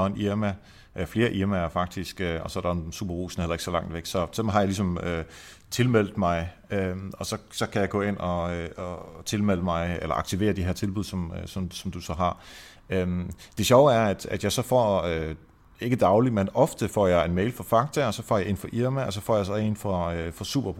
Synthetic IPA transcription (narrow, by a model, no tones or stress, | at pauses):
enʔiɐmæ | fle̝ːɐʔiɐmæɐfɑ̈ɡ̥̚d̥isɡ̥øɒ̽sɒ̽æɐɾɑensṵːb̥ɐʁṵːsn̩hel̰ˠe̝ɡ̥sɒ̽lɑ̈ŋ̰d̥ʋeɡ̥sɒ̽sɒ̽mɦɑ̈jalis̬ɒ̽mø | t͡sʰe̝lmel̰d̥mɑ̈ɪ | ømɒ̽sɒ̽sɒ̽kʰæjɑ̈ɪɡ̥ɔ̰ːe̝n̰ɒ̽øɒt͡sʰe̝lmel̰əmɑ̈ɪelɐʔɑ̈ɡ̥̚t͡sʰiʋe̝̰ːɐd̥iɦeɐt͡sʰe̝lbuð̞̰ˠsɒ̽møsɒ̽msɒ̽md̥usɒ̽ɦɑ̈ | ømd̥e̝ɕɒʊæɐæd̥æd̥jɑ̈ɪsɒ̽fɒ̰ːø | e̝ɡ̥əd̥ɑ̈ʊlimenɒ̽fd̥əfɒ̰ːjɑ̈ɪenmeɪlfɒ̽fɑ̈ɡ̥̚t͡sʰæɒ̽sɒ̽fɒ̰ːjɑe̝nfɒ̽ʔiɐmæɒsɒ̽fɒ̰jaɪsɒ̽e̝nfɒøfɒ̽sṵːb̥ɐb̥ʁ